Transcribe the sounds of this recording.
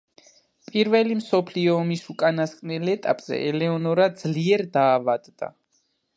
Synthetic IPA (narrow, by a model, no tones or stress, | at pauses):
pʼiɾvɛlimsɔpʰliɔːmisukʼanaskʼnɛlɛt̪ʼapʼz̥ɛ̰ʔɛlɛɔnɔɾad̪zliɛɾd̪aːvad̪d̪a̰